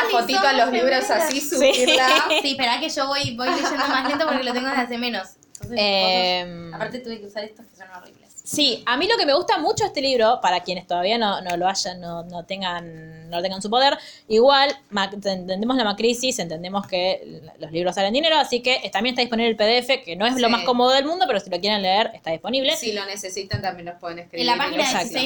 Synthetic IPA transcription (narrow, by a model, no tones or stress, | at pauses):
aot̪it̪oalozliβɾosasisusisipeɾoakeʒoβojbojʃend̪omaslent̪opoɾkelot̪eŋɡoðeazðemẽnososeemappaɾt̪et̪uβekeusaɾest̪oskesonorḭβlessiamilo̞ke̞me̞ɣust̪amut͡ʃoest̪e̞liβɾo̞paɾakje̞ne̞st̪o̞ð̞aβianonoloaʃanːonot̪eŋɡanːolot̪eŋɡansupo̞ðeɾ | iɣwalmaent̪end̪emozlamakɾisise̞nt̪e̞nd̪emo̞ske | lo̞sliβɾosalend̪ine̞ɾoasikeʔt̪amjnest̪aðiponiβlelpeðeefe̞keno̞eslomasko̞moðoðelmũnd̪o̞peɾosilo̞kjeɾe̞nleeɾe̞ht̪aðispo̞niβle̞silonesesit̪ant̪ambjenlopweðeneskɾilapaxinasakt̪e